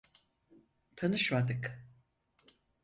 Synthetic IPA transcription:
t̪ʰanɯʃmad̪ɯk

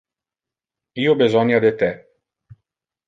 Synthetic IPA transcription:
iːobezɔnjad̪et̪ɛ

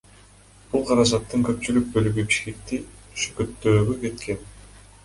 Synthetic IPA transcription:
b̥ulˠqʰɑɾɑd͡ʒɑt̪ːɯŋkø̞p̚t͡ʃylyk̚bø̞lyɡybiʃke̞k̚t̪i | ʃy̥køt̪ːøːɡyke̞t̪ke̞n

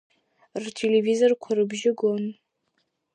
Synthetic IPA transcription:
rtʰelevizorkʷʰarɨbʒɪɡon

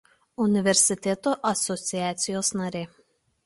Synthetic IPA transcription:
ʊnʲɪʋʲɛɾʲsʲɪt̪ʲɛt̪oːʔɐsɔt̪sʲɪjæːt̪sʲɪjoːsnɐɾʲeː

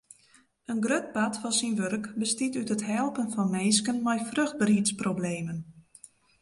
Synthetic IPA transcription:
ənɡrøt̚batfɔnsinʋørkbəstitytətɦɛlˠpənfɔnmeːskənmɛjfrøxd̚bəɾitsprobleːmən

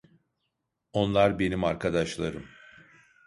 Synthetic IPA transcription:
o̞nlˠaɾbe̞nimaɾkʰad̪aʃlˠaɾɯm

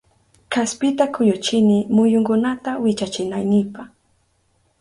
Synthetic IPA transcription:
kaspɪt̪akʰʊjʊt͡ʃɪnɪmʊjʊŋkʊnat̪awɪt͡ʃat͡ʃɪnajnɪpaχ

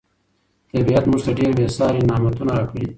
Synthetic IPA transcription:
t̪ɐbijat̪mʊʐt̪aɖeːɾbesɑːɾinɑːmat̪unaɾakʰəɽi

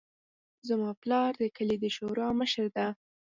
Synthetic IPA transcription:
zamɑplɑɾd̪əkəled̪əʃoɾɑməʃəɾd̪a

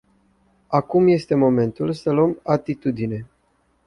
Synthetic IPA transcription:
akumje̞st̪e̞mo̞me̞nt̪ulsəluəmat̪it̪ud̪ine̞

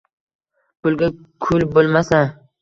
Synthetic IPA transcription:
pʰʊlɡʲa | kʰʊlbolˠmasa

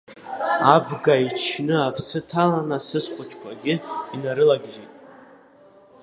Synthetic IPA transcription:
abɡait͡ʃʰnɨapʰsɨtʰalanasɨsqʷʼʊt͡ʃʰkʷaɡʲɪinaɾɨlaɡʲʒitʼ

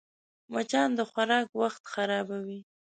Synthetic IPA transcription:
mat͡ʃɑnd̪əxwaɾɑkwaxt̪xaɾɑbawi

